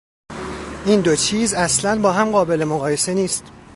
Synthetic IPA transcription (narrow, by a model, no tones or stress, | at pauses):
ʔiːnd̪o̞t͡ʃʰiːzæslænbɒːɦæmɢɒːbe̞le̞moɣɒːje̞se̞niːst̪